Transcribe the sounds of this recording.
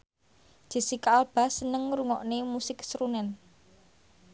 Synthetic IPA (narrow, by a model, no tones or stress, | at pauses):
ʒ̥ə̤sikalb̥a̤sənəŋɾuŋɔʔnemusɪksɾunɛn